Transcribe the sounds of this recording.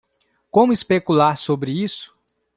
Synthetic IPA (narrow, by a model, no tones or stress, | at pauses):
kõmʊispekulaɾsobɾɪisʊ̥